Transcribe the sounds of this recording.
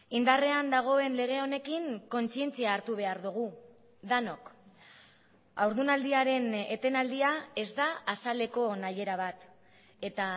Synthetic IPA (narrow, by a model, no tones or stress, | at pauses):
ind̪are̞and̪aɣ̞o̞e̞nle̞ɣ̞e̞o̞ne̞kiŋko̞nt͡sie̞nt͡siaːɾt̪uβ̞e̞aɾðuɣ̞u | d̪ano̞k | awɾðunald̪iaɾe̞ne̞t̪e̞nald̪iae̞zd̪aːsale̞ko̞naje̞ɾaβat̪ | e̞t̪a